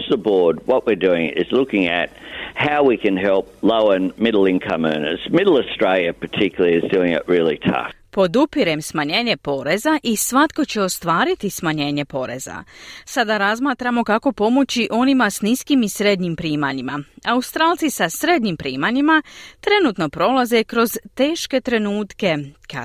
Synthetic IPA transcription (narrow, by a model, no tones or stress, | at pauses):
sðəbɔɹd̚wʌʔ̚wɨɹdʉɪ̰̃ŋɪ̰zlʊkɪ̃ŋɨ̰t̚haʊwikɨ̃nɦɛlˠp̚loʊənmɪɾl̩ˠɪ̃nkʰə̃mɜ̰̃˞nə̰z̥mɪɾl̩ˠəstɹ̥eɪlˠjɨpʰə˞tʰɪkjl̩ˠiɨzdʉɪ̃ŋɪ̰ʔɹɪlˠḭtʰʌ̰f | po̞d̪upiɾe̞msmaɲeːɲe̞po̞ɾe̞zaʔisʋat̪ko̞t͡ɕe̞o̞st̪ʋaːɾit̪ismaɲe̞ːɲe̞po̞ɾe̞̰za̰sad̪aɾazmaːt̪ɾamo̞kako̞po̞mo̞t͡ɕiʔo̞nimasniskimisɾe̞d̪ɲimpɾiːmaɲima̰aust̪ɾaːlˠt̪sisasɾe̞d̪ɲimpɾiːmaɲimat̪ɾe̞nut̪no̞pɾo̞laze̞kɾo̞zt̪e̞ːʃke̞t̪ɾe̞nuːt̪ke̞ka̰